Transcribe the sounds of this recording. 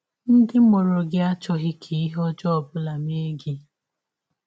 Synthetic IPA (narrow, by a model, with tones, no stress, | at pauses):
n̩˦dɪ˦mo˨ɾo˨ɡɪ˦a˦t͡ʃɔ˦ɦɪ˦kʰe˨i˦ɦɔ˦d͡ʒɔ˦ɔ˨bʊ˦la˨me˦ɡɪ˦